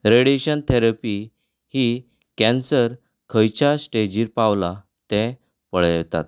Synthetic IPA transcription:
ɾeɽeɕənt̪ʰɛɾapi | hi | kɛ̃nsəɾ | kʰəjt͡ɕasʈed͡ʑiɾpaʋla | t̪ɛ̃ | pəɭt̪a̰t̪̚

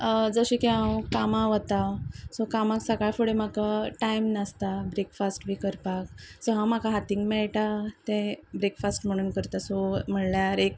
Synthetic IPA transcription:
d͡zəɕikeãwkamãʋət̪asɔkamaksəɡaɭfoɽem̤akaʈajmnəst̪abɾekfasʈʋikəɾpak̚sɔɦãm̤akaɦat̪ĩŋɡmɛɭʈat̪ẽbɾekfasʈm̤əɽ̃unkəɾt̪asɔm̤əɳljaɾek

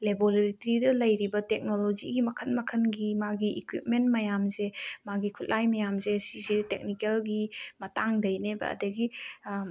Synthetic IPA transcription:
leboleɾitɾidɐlɐjɾibɐtek̚nolozḭɡimɐkʰɐnmɐkʰɐnɡimaɡiikwip̚mentmɐjamzemaɡikʰut̚lʔajmɐjamzesizitek̚nikelɡimɐtaŋdɐjnebɐ̰ɐ̰dɐɡi

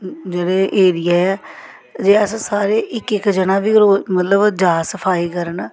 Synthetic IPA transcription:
d͡ʒeːɽeːʔːɾɪjaːɛː | d͡ʒeːəssaːɾeːʔɪkɪkd͡ʒənãːʋiːɾoːmət̪ləbd͡ʒaːsəpʰaːiːkəɾən

